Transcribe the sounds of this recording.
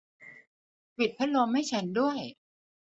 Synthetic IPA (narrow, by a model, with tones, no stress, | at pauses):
pi˨˩t̪̚pʰa˥˩lo˧mha˥˩jt͡ɕʰa˦˥ndu˥˩əj